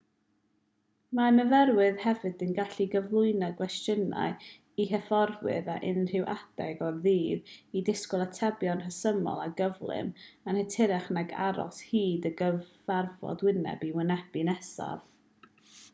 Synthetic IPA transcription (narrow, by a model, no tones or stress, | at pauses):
manəvɛɾwɨðhɛvɨdɪnɡaɬiɡəvlˠʊɨnaɡwɛstjəna̰ɨ | iɦɛfɔrwɨ̰ðaʔɪnr̥ɪwʔad̥ɛɡɔrðiːvidɪskɔlˠatʰɛbjɔnrəsəmɔ̰lˠaɡəvlˠɪ̰manhɛtʰɪɾɛχnaɡa̰ɾɔ̰shiːdəɡəvarvɔ̰dwɪnɛ̰biwɪnɛb̥inɛsa̰v̥